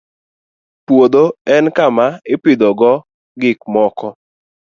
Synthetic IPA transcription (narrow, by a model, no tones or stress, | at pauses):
pwod̪oɛnkamaɪpɪd̪ɔɡɔ | ɡɪk̚mɔkɔ